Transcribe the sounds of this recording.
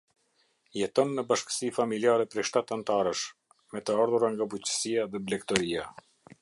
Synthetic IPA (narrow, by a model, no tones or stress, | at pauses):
jɛt̪ɔnːəbaʃkə̥sifamiliaɾɛpɾɛʃt̪at̪ant̪aɾəʃ | mɛt̪əaɾðuɾaŋɡabut͡ɕə̥sijaðɛblɛkt̪ɔɾia